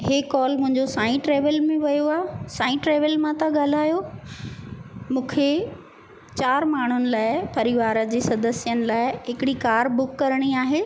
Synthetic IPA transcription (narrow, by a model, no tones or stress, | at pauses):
ɦeːkɔːlmʊ̃ɦɪ̃ɲd͡ʑosãːĩʈɾɛːʋəlmẽʋɐjoaːsaːĩʈɾeːʋəlmãt̪ɐɠaːl̤aːjo | mũːkʰe | t͡ɕaːɾmaːɳ̤ʊnɪ̆laːɪpɐɾiʋaːɾə̆d͡ʑeːsɐd̪əsijənɪ̆laːɪɦɪkɪɽikaːɾbʊkːɐɾɽ̃iaːɦeː